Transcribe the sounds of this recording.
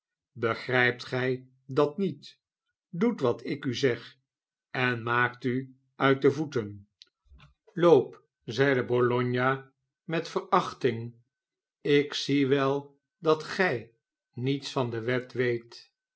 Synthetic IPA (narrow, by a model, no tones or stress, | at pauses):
bəχrɛjp̚tχɛj | dɑtnit | dutʋɑtɪkyzɛχ | ʔɛnmaːkty | œɥt̚dəvutən | lowp | zɛjdəbɔlɔɲja | mɛtfərɑχtɪŋ | ɪksiʋɛlˠ | dɑtχɛj | nitsfɑndəʋɛtʋejt